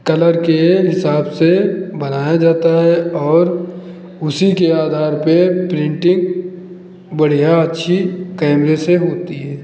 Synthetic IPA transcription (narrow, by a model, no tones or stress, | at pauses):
kɐləɾkeɦɪsaːbsebɐnaːjad͡ʒaːt̪aɦɛɔːɾ | ʊsikeaːd̪ʱaːɾpepɾɪ̃ɳʈɪ̃ŋɡ | bɐɽ̤ijaɐtːʃʰikɛːmɾeseɦoːt̪iɦɛː